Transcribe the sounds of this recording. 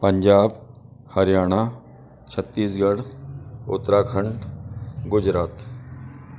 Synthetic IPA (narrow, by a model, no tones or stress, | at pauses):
pəɲd͡ʒaːb | həɾjaːɽ̃a | t͡ʃʰət̪ːiːsɡəɽʊ̰t̪ɾaːkʰəɳʈɡʊd͡ʒɾaːt̪